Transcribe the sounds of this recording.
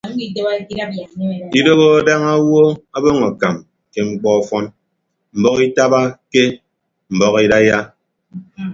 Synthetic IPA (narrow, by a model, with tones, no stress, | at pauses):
i˨te˦a˦i˦˨i˦do˦ɣo˦a˦da˦ŋa˦wo˦a˦bo˦ŋa˨ka˨m | ke˦ŋ͡m̩˦k͡pɔ˦ɔ˨fɔ˦n | m̩˨bɔ˦ki˦ta˦ba˦ke˦ | m̩˨bɔ˦ki˦da˦ja˦